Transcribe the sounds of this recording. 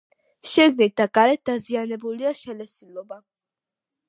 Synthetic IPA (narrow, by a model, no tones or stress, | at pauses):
ʃiɡnit̪̚d̪aɡaɾɛt̪̚d̪azianɛbuliaʃɛlɛsilˠɔba